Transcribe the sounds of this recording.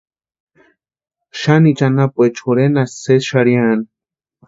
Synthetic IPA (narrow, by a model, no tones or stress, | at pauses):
ʃanit͡ʃanapʷet͡ʃxuɾenasesʃaɾjan